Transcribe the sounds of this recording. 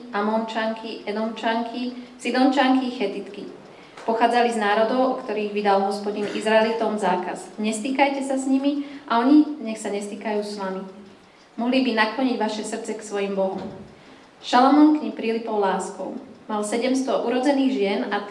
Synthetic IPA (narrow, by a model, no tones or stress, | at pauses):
ʔamɔnt͡ʃaŋkʰiʔɛd̪ɔnt͡ʃaŋkʰisid̪ɔnt͡ʃaŋkixɛt̪it̪ki | pɔxaːd͡zaliznaːɾɔd̪ɔʊɔkt̪ɔɾiːɣʋid̪alɦɔspɔɟinizɾaɛlit̪ɔmzaːkazɲɛst̪iːkajcɛsasɲimiʔaɔɲiɲɛxsaɲɛst̪iːkajuːsʋami | mɔɦlibinaklɔɲiɟʋaʃɛsr̩t͡sɛksʋɔjimbɔɦɔm | ʃalɔmɔnkɲipɾiːlipɔʊlaːskɔʊmalsɛɟɛmst̪ɔʔuɾɔd͡zɛniːɣʒɪɛna